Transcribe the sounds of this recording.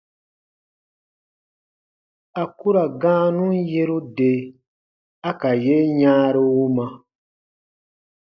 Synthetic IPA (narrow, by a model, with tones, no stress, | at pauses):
a˨ku˦ɾa˨ɡãː˦nũ˦n˦je˦ɾu˦de˨ | a˦ka˨je˦ɲãː˦ɾo˦wu˦mã˦